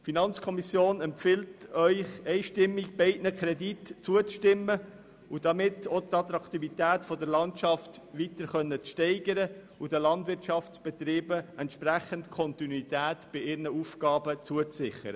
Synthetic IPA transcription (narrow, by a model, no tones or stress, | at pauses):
finɑnt͡skʰɔmisjoːnɛmpfɪltœʏχɛɪʃtɪmːikbɛɪdnəkʰɾɛditt͡suət͡sʃtɪmːə | ud̥ɑmɪtʰot̪ɑt̪ɾɑkt̪ivitæːtfɔdəɾlɑnʃɑftʋitəɾχœnːət͡sʃtɛɪɡ̥əɾə | ud̥əlɑndʋɪɾtʃɑftsb̥ɛt̪ɾiːbəɛntʃpɾæχəntkʰɔntinuitæːtb̥ɪɪɾnəufɡ̥ɑːbət͡suət͡sɪχə̰ɾə